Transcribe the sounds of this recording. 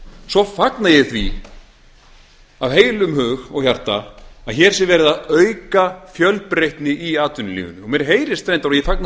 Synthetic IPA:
sɔfaknajɛɣθvi | avɦeːjlʏmɦʏːɣɔɣçjar̥t̪aaðçɛɾ̥sɪvɛːɾɪðaœɥkafjœlpɾejht̪nɪʔiaːt̪ʏnʏlḭːɣʏnʏɔɣmjɛɾ̥ɦeːjɾɪst̪ɾẽjnt̪aɾɔjɛfakna

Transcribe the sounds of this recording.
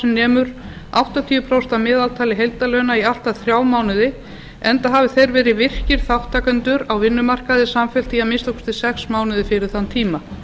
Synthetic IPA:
ɛnɛːmʏɾ̥ | a̰wt̪at̪ʰiːʏpʰɾawst̪amɛːðalt̪ʰaːlɪɦejlt̪alœːnaial̥t̪aθɾjaːwmaːwnɪðɪ | ɛnt̪aɦaːvɪθejɾvɛːɾɪvɪr̥cɪɾ̥θawht̪ʰːaːkant̪ʏɾawvɪnːʏmar̥kaðɪsamfɛlt̪iamɪnst̪ɔkst̪ɪ̥sɛksmaːwnɪðɪfɪɾɪ̥θanːt̪ʰiːma

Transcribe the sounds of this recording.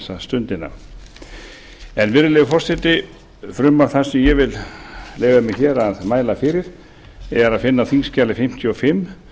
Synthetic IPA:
sːast̪ʏnt̪ɪnːa̰ | ɛnvɪɾʏlɛːɣfɔr̥sɛt̪ɪ | fɾʏmːaɾ̥θḁsɛmjɛvɪlleːjɣamɪçɛːɾaðmaːjlafɪːɾɪɾ̥ | ɛɣaɾaðfɪnːaθiŋscaːlɪfɪm̥t̪ʰjʏɔfɪmː

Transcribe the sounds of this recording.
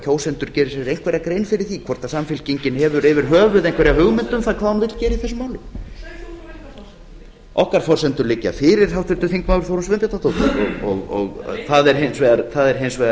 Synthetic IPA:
cʰoːwsɛnt̪ʏɾ̥cɛːɾɪsɛɾejŋ̥kʰvɛɾakɾejnfɪɾɪɾ̥θikʰvɔɾt̪asamfɪlciɲcɪnhɛvʏɾɛvɪɾ̥ɦœːvʏðejŋkʰvɛɾjawhʏɣmɪnt̪ʏmθaðkʰvaːunvɪt̪lcɛːɾɪiθɛsʏmaːwlɪ | ɔ̰hkaɾ̥fɔɾ̥sɛnt̪ʏɾlɪcːa̰fɪɾɪɾ̥θawt̪ʏlt̪ʏθiŋkmawɾθowɾʏmsvɛmpjɛt̪at̪oːwt̪aɔɣɔ̰ɣɔ̰ɣθaðɛɾɦejnsvɛːðaɾθaðɛɾ̥ɦejnsvɛːða

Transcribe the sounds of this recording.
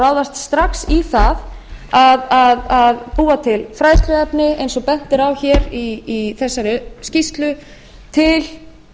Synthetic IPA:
aːwðast̪st̪ɾaksiθað | aðaðaðpuːat̪ʰɪlfɾaːjt̪ʰɾɪɛpnɪejnsɔpɛn̥t̪ɪɾawçɛːɾiːθɛsːaɾɪscist̪lʏ | t̪ʰɪl

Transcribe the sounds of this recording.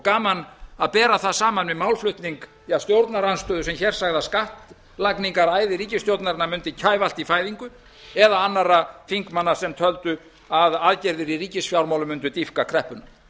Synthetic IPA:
kaːmanaðpɛːɾaθaðsaːmanvɪðmawlflʏht̪niŋk | jast̪jowɾt̪naɾanst̪œðʏsɛmçɛɾ̥saɣðaskaht̪ | lakniŋkaɾaːjðɪɾiːcɪst̪jowt̪naɾɪnːamʏnt̪ɪcʰaːjval̥t̪ifaːjðiŋkʏ | ɛðaanːaɾafiŋkmanːḁsɛmt̪ʰœlt̪ʏ | aðaðcɛɾðɪɾiriːcɪsfjawɾmawlʏmʏnt̪ʏt̪ifkakʰɾɛhpʏna

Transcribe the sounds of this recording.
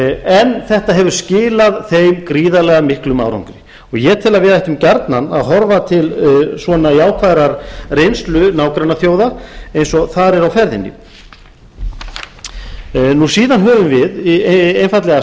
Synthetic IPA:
ɛnθɛht̪aɦɛvʏɾ̥scɪːlaðθejmkɾiːðalɛɣamɪhklʏma̰wɾa̰ŋkɾɪ | ɔɣjɛt̪ʰɪlaðvɪðɛjht̪ɪmcaɾt̪nana̰ðɦɔɾvat̪ʰɪlsvɔnaiaːwkʰvaɾaɾrejnst̪lʏnaːwkɾanːaθjoːwðaejnsɔθaðɾɛɾawfɛɾðɪ̰nːɪ̰ | nusiːðanɦœːvʏmvɪðejnfajt̪lɛɣa

